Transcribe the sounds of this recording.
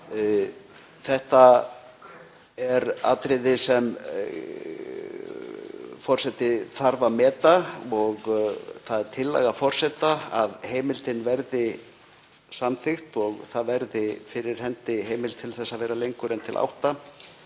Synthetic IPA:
θɛht̪a | ɛɾa̰ːt̪ɾɪðɪsɛm | fɔr̥sɛt̪ɪθaɾvamɛːt̪aɔɣθaðɛɾ̥t̪ʰɪlːɛ̰ɣafɔr̥sɛt̪aaðheːjmɪlt̪ɪnvɛɾðɪ | samθɪxt̪ɔɣθaðvɛɾðɪfɪɾɪɾ̥hɛnt̪ɪɦeːjmɪlt̪ʰɪlθɛsːavɛːɾalejŋkʏɾɛnt̪ʰɪlʔa̰wht̪a

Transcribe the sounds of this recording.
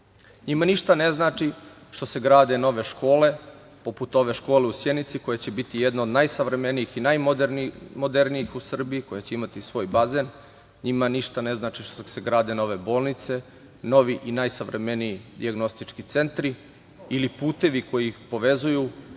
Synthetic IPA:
ɲimaniʃt̪ane̞znaːt͡ʃi | ʃt̪o̞se̞ɡɾaːd̪e̞no̞ʋe̞ʃko̞ːle̞ | po̞put̪o̞ʋe̞ʃko̞ːleusjenit̪siko̞jet͡ɕe̞bit̪ijed̪nood̪najsaʋɾe̞menijixinajdmod̪eɾnijixusr̩biiko̞jet͡ɕeimat̪isʋo̞ːjbaze̞ːn | ɲimaniʃt̪ane̞znaːt͡ʃiʃseɡɾaːd̪eno̞ʋe̞bo̞ːlˠnit̪se̞ | no̞ʋiʔinajsaʋɾʔeme̞nijid̪iaɡno̞st̪it͡ʃkit̪se̞nt̪ɾi | ilipuːt̪e̞ʋiko̞jiːpo̞ʋe̞zuju

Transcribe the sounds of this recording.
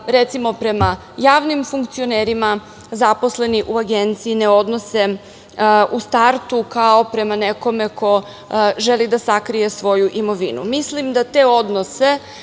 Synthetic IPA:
ɾe̞t̪simo̞pɾe̞ma | jaːʋnimfuŋkt̪sio̞neɾima | zapo̞sle̞niʔuaɡent̪siːne̞o̞d̪no̞se̞ | ʔust̪aɾt̪ukao̞pɾe̞maneko̞me̞kʰo̞ | ʒelid̪asakɾije̞sʋo̞juʔimo̞ʋinṵmislimd̪at̪e̞o̞d̪nose̞

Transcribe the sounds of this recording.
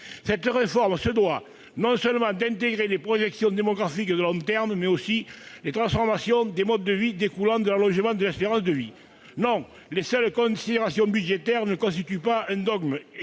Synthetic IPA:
sɛt̪ʁefɔʁməsəd̪wa | nɔ̃sœləmɑ̃d̪ɛ̃nt̪eɡʁelepχɔʒɛksjɔ̃d̪emɔɡʁafikd̪əlɔ̃t̪ɛʁmmɛosilet̪χɑ̃sfɔʁmasjɔ̃d̪emɔd̪əːəvid̪ekulɑ̃d̪əlalɔ̃ʒəmɑ̃d̪əlɛspeʁɑ̃sd̪əvi | nɔ̃ | lesœlkɔ̃sid̪eʁasjɔ̃byd̪ʒet̪ɛʁnəkɔ̃st̪it̪ypaɛ̃d̪ɔɡm

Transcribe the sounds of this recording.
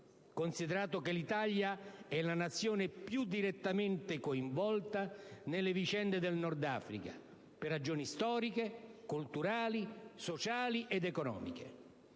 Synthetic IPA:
konsid̪eɾaːt̪ʊkelit̪aʎjaɛnanat̪sːjoːnepjud̪ːiɾet̪ːament̪ɪkoiɱvɔlt̪anelːevit͡ʃɛnd̪ed̪elnɔrd̪a̰ːfɾḭka̰ | perːad͡ʒoːnist̪ɔːɾikekult̪uɾaːlisot͡ʃaːliʔed̪ɛkonɔ̰ːmḭk̟ḛ

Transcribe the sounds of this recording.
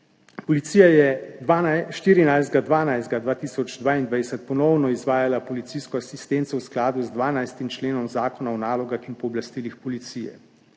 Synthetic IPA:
pɔlit̪siːjajɛaʃt̪iːɾinajzd̪̚ɡad̪ʋaːnajzd̪ɡad̪ʋaːt̪iːsɔd͡ʒd̪ʋaːind̪ʋajd̪ɛsɛt̪̚pɔnɔwnɔizʋaːjalapɔlit̪siːskɔasist̪ent̪sɔwsklaːd̪uzd̪ʋaːnajst̪imt͡ʃleːnɔmzaːkɔnaɔnaːlɔɡaxinpɔːblast̪iːlixpɔlit̪siːjɛ̰

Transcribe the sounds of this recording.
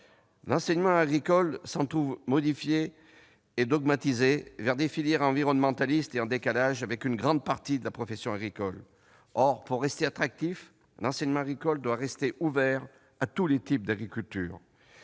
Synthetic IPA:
lɑ̃sɛɲmɑ̃aɡʁikɔlsɑ̃t̪χuvmɔd̪ifjeː | d̪ɔɡmat̪izevɛʁd̪efiljɛʁɑ̃viʁɔnmɑ̃t̪alist̪eɑ̃d̪ekalaʒavɛkynɡʁɑ̃d̪̚paʁt̪id̪əlapχɔfɛsjɔ̃aɡʁikɔl | ɔʁpuʁːɛst̪eat̪χak̚t̪if | lɑ̃sɛɲmɑ̃aɡʁikɔld̪waʁɛst̪eʔuvɛʁ | at̪ulet̪ip̚d̪aɡʁikʲylt̪y̰ːʁ

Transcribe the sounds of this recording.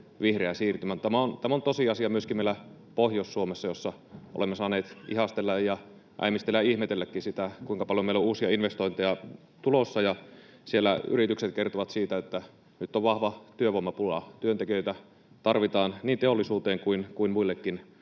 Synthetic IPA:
ʋihreæsiːrt̪ymænt̪æmæont̪æmont̪osiɑsiɑmyøskimeilæ | pohjossuomesːɑjosːɑ | o̰lemːesɑːneːt̪ihɑst̪elːɑjjɑ | ʔæ̰imist̪elːæihmet̪elːækːisit̪ækuiŋkɑpɑljomeilouːsiɑinʋest̪oint̪ejɑ | t̪ulosːɑjɑ | sielːæy̰rit̪ykset̪̚kert̪oʋɑt̪siːt̪æet̪ːæ | nyt̪ːoʋʋɑhʋɑt̪yøʋomːɑpulɑ̰t̪yønt̪ekijøit̪æ | t̪ɑrʋit̪ɑːnniːnt̪eolːˑisuːt̪eːŋkuinkuimmuilːekːin

